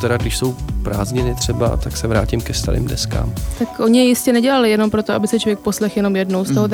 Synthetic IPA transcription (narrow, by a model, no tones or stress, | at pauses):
t̪ɛɾaɡdɪʃsowpɾaːzɲɪnɪt̪r̝̥ɛba̰t̪aksɛvɾaːcɪmkɛst̪a̰ɾʔḭːmdɛ̰ska̰ːmt̪akʔo̞ɲɪjɛjɪscɛnɛɟɛlalɪjɛno̞mpɾot̪oʔabɪsɛt͡ʃovjɛk̚po̞slɛxjɛno̞mjɛdno̞wst̪oɦod̪